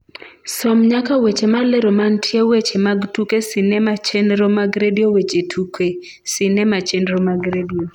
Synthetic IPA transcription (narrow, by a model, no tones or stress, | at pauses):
sɔmɲakawet͡ʃemaleɾomantʰjewet͡ʃemaɡtukesɪnɛmat͡ʃenɾomaɡɾediowet͡ʃetʰuke | sɪnɛmat͡ʃenɾomaɡɾedio